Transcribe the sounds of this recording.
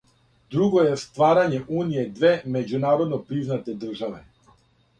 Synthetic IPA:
d̪ɾuɡɔjɛst̪vaɾaɲɛʔunijɛd̪vɛmɛd͡ʒunaɾɔd̪nɔpɾiznat̪ɛd̪r̩ʒavɛ

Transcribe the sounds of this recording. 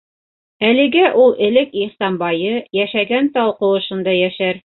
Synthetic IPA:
ælɘ̆ɡæʔulˠʔɘ̆lɘkiχsɑmbɑjɤjæʃæɡænt̪ɑlˠqɤ̆wɤ̆ʃɤ̆nd̪ɑjæʃæɾ

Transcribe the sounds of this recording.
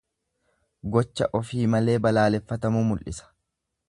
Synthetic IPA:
ɡɔt͡ʃːɐ̰ʔɔfiːmɐle̞ːbɐlaːlɛfːɐt̪ɐmuːmʊlʔɪsɐ̥

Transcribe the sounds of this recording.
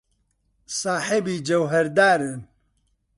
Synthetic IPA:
saːħebiːd͡ʒɐwɦɛɾd̪aːɾɨn

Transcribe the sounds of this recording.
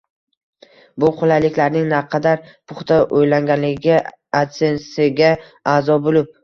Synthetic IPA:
bʊqʰʊlalɪkʲlaɾnɪŋnaqʰɑd̪aɾpʰʊχt̪aʔojlaŋɡʲanlɪɡʲɪ | asensɪɡʲa | aːzɒbolɪp̚

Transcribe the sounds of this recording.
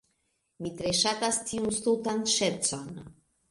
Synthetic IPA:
mit̪ɾeʃat̪ast̪ʰiunst̪ut̪ant̪ʃɛsɔn

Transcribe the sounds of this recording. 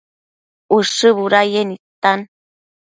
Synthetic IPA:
uʂɨβuɾajenit̪an

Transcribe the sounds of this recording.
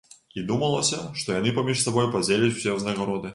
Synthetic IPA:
id̪umɐlˠɐsʲɐʂt̪ɔjanɨpamʲiʂsabɔjupad͡zʲelʲɛt͡sʲwsʲɛznɐɣaɾɔd̪ɨ

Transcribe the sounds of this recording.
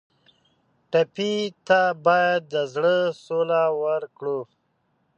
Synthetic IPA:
ʈapit̪abɑjad̪̚ːəzɽəsolawəɾkɽu

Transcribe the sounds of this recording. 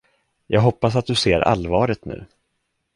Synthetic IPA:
jʔɑ̰ːɡɦɔpːas̬at̪̚d̪ɵseːɾʔa̰lvɑːɾət̪nʉ̟ː

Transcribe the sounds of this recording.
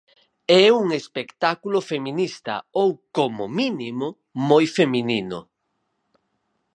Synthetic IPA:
ɛuŋespekt̪akulofeminist̪ɐ̰owkomʊminimo | mojfemininʊ̰

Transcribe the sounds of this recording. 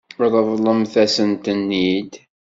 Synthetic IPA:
ðˤəðˤlˤəmθæsənt̪ənːid̪

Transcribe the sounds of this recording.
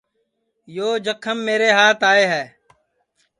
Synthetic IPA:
joːd͡ʒəkʰəmːeːɾeːɦaːt̪aːeːɦɛː

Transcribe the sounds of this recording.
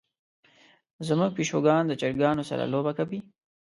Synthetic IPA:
zəmuɡ̚piʃoɡɑnd̪ət͡ʃaɾɡɑːnosa̰ɾa̰lobakapi

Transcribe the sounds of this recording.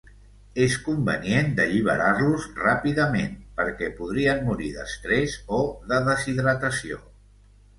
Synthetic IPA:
eskumbə̰niend̪əʎiβ̞ə̰ɾaɾluzrapiðəmḛnpəɾkɛpuð̞ɾiənmuɾiðə̰st̪ɾezoðəðəziðɾət̪əsio̰

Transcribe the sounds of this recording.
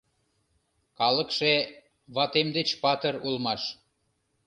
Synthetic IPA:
kɑləkʃe | βɑt̪emd̪et͡ɕpɑt̪ərulmɑʃ

